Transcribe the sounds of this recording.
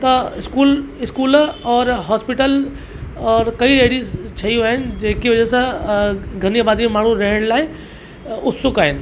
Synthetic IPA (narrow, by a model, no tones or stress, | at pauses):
t̪ɐɪskuːlɪskuːlɔːɾɦɔːspɪʈəl | ɔːɾkɐiɾeːɽizt͡ɕʰɐiaːɦɪnɪ̆d͡ʑeːkiʋɐd͡ʑesã | ɡʱɐniabaːd̪imẽmaːɳ̤ũɾɐɦəɽ̃laːɪ | ʊt̪sʊkaːɦɪnɪ̆